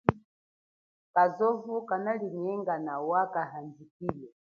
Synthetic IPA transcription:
kazɔvukanaliɲɛŋɡanawakaɦand͡zikiːlɔ

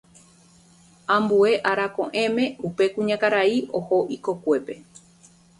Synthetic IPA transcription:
ãmbue̞ʔaɾakõʔẽ̞mẽ̞upe̞kũɲãkaɾaioho̞ʔikokʷe̞pe̞

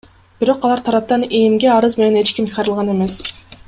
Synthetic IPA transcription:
b̥iɾo̞qɑlˠɑɾt̪ʰɑɾɑp̚t̪ɑnemɡʲe̞ɑɾɯzme̞nene̞t͡ʃkʲimqʰɑɾɯlˠʁɑne̞me̞s

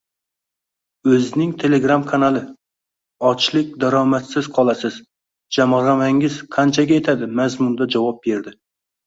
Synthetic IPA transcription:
ɵznɪŋt̪ʰe̞leɡɾamkʰanalˠɪ | ɒt͡ʃlˠɪk̚ʲd̪aɾɒmat̪sɪz̥qʰɒlˠasɪz̥ | d͡ʒamɾamaŋɪz̥qʰɑnt͡ʃʰaɡʲajet̪ʰad̪ɪmæzmʊnd̪ad͡ʒawɒp̚be̞ɾd̪ɪ

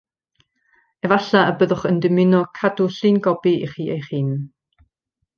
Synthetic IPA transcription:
ɛvaɬaəbəðʊχəndɪmɪnɔkʰadʊɬiːnɡɔbiʔḭχiːejχiːn

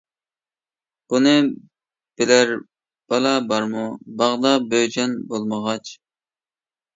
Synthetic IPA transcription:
b̥unɨ | b̥ɪlæɾ | b̥ɑlˠɑbɑɾmubɑʁd̪ɑbød͡ʒɛnbolˠməʁɑt͡ʃ

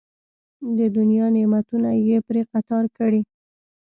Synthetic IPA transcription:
d̪əd̪ʊnjɑnemat̪unajepɾeqat̪ɑɾkəɽi

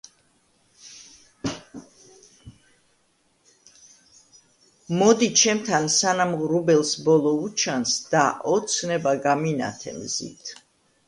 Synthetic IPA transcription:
mɔd̪it͡ʃʰɛmt̪ʰansanamʁɾubɛlˠsbɔlˠɔut͡ʃʰansd̪̥aʔɔt̪sʰnɛbaɡamina̰t̪ʰɛ̰mzḭt̪ʰ

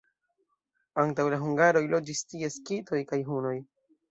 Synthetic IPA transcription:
aŋtawlaɦuŋɡaɾo̞jlo̞d͡ʒistie̞skitʰo̞jkajɦuno̞j

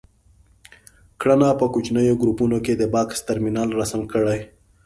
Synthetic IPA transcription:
kɽanɑpəkut͡ʃnəjoɡɾupunoked̪əbɑkst̪aɾminɑlɾasamkəɽaj

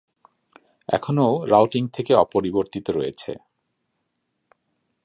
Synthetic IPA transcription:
ɛ̰kʰonoɾawʈiŋt̪ʰekeɔpoɾiboɾt̪it̪oɾojet͡ɕʰḛ

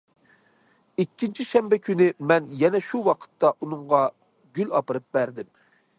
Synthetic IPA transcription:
ikʲːint͡ʃʰiʃɛmbɛkʲʰynɪmɛnjɛnɛʃuwɑqʰə̥t̪ːɑʔunʊŋʁɑ | ɡʲylɑpɨɾɨp̚bæɾd̪ɪm

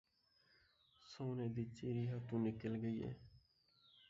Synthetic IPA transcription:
soːneːd̪iːt͡ʃiːɾiːɦat̪ũːnɪkəlɡəiːḛː

